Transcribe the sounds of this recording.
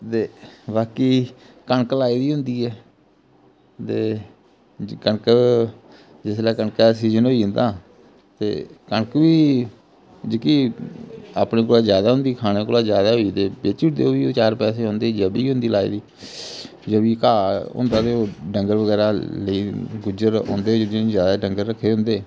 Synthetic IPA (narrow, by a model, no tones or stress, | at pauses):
t̪eːʋaːkiː | kəɳklaːiːd̪iːɦʊ̃nd̪iːɛː | t̪eː | kəɳk | d͡ʒɪslɛːkəɳkasiːzənɦoːiːɦnd̪aː | t̪ḛːkəɳkʋiː | d͡ʒekiː | aːpnẽːk̬oːlaːd͡ʒjaːd̪aːɦʊ̃nd̪iːkʰaːneːkoːlaːzjaːd̪aːɦoːiːd̪eːbeːt͡ʃʊʈd̪ḛːoːʋiːoːt͡ʃaːɾpɛːseːɦõːnd̪eːd͡ʒəbiːɦʊ̃nd̪iːlaːḭːd̪iː | d͡ʒəbiːkaːʊ̰̃ːnd̪aːt̪eːoːɖəŋɡəɾʋəɡɛːɾaːləiːɡʊd͡ʒəɾõ̰ːnd̪eːd͡ʒəd͡ʒzjaːd̪aːɖəŋɡəɾːəkʰːeːɦʊ̃nd̪eː